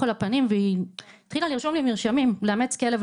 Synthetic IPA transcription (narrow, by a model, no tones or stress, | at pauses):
olapanimveiit̪χilaliʁʃo̞mlimiʁʃamimleamet͡ske̞lev